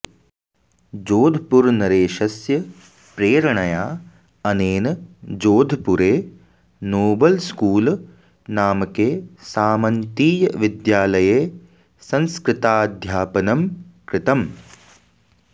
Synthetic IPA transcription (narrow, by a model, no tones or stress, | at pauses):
d͡ʒoːd̪ʱpuɾnɐɾeːʃɐsjɐ | pɾeːɾɳɐjaː | ɐneːnɐd͡ʒoːd̪ʱpuɾeː | noːbɐlskuːl | naːmɐkeːsaːmɐnt̪iːjɐʋid̪jaːlɐjeː | sɐ̃nskɾɪt̪aːd̪ʱjaːpɐnɐmkɾɪt̪ɐm